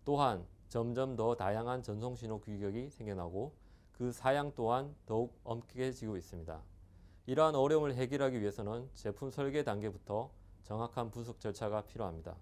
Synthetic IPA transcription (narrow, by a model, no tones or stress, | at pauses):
t͈oɦant͡ɕʌmd͡ʑʌmtʌtajaŋɦant͡ɕʌns̬ʰoŋɕʰinokiɡjʌɡisʰe̞ŋɡʌnɦaɡo | kɯsʰajaŋt͈oɦantʌuɡ̚ʌmkʰɡed͡ʑiɡois͈ɯmɲida̰ | iɾʌɦanʌɾjʌmɯɭɦe̞ɡiɾɦaɡiɥiɦe̞sʰʌnɯnt͡ɕe̞pʰumsʰʌɭɡe̞daŋɡe̞butʰʌ | t͡ɕʌŋɦakʰanpus̬ʰʌk̚t͡ɕ͈ʌɭt͡ɕʰaɡapʰiɾjoɦamɲida̰